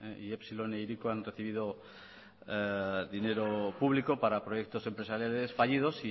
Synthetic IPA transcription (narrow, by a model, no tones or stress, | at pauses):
eiepsiloneiɾikoanre̞θiβið̞o | d̪ine̞ɾopuβlikopaɾapɾo̞jek̚t̪o̞se̞mpɾe̞saɾjale̞sfaʎið̞o̞si